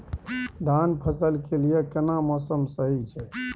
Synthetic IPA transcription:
d̪ʱanpʰəsəlkelijekənamɔsəmsəɦit͡ʃʰɛ

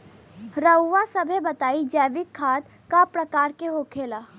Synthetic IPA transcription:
ɾəwːasɐbʱebɐt̪aːid͡ʒɛːʋɪkʰːaːd̪ | kapɾɐkaːɾkeɦoːkʰeːlaː

